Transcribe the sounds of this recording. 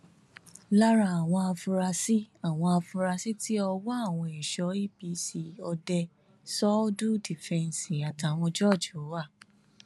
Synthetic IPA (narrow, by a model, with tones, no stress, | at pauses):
la˦ɾa˧a˨w̃ɔ̃˧a˧fũ˧ɾa˧si˦a˦˨w̃ɔ̃˧a˧fũ˧ɾa˧si˦ti˦ɔ˧wɔ˦a˦˨w̃ɔ̃˧e˨ʃɔ˧˦i˦bi˧si˨ɔ˧dɛ˧ | sɔ˦du˦di˨fɛ̃˧n˨sĩ˨a˨ta˨w̃ɔ̃˧d͡ʒɔ˦˨d͡ʒu˨˦wa˦˨